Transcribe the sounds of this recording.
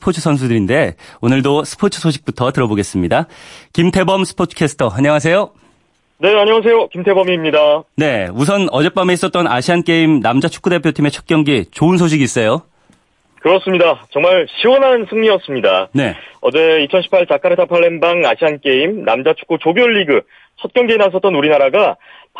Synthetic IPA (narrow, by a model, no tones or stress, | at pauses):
spʰot͡ɕʰɯsʰʌns̬ʰudɯɾinde̞onɯɭdosʰɯ̥pʰot͡ɕʰɯ̥sʰoɕʰi̥k̚p͈utʰʌtɯɾʌboɡe̞s͈ɯmɲidakimtʰe̞bʌmsʰɯ̥pʰotʰkʰe̞sʰɯ̥tʰʌaɲʌŋas̬ʰe̞jo | ne̞aɲʌŋas̬ʰe̞jokimtʰe̞bʌmimɲidane̞us̬ʰʌnʌd͡ʑe̞p͈ame̞is͈ʌt̚t͈ʌnaɕʰiank͈e̞imnamd͡ʑat͡ɕʰu̥k͈ude̞pʰjotʰime̞t͡ɕʰʌk̚k͈jʌŋɡit͡ɕoɯnsʰoɕ̬ʰiɡis͈ʌjo | kɯɾʌs͈ɯmɲidat͡ɕʌŋmaɭɕʰiwʌnɦansʰɯŋɲiʌs͈ɯmɲidane̞ʌ̰d͡ʑe̞it͡ɕʰʌnɕʰi̥pʰaɭt͡ɕak͈ʰaɾetʰapʰaɭːenbaŋaɕʰiɦank͈e̞imna̰md͡ʑat͡ɕʰu̥k͈ut͡ɕobjoɭːiɡɯ | t͡ɕʰʌt̚k͈jʌŋɡenas̬ʰʌt͈̚ʌnuɾinaɾaɡa | p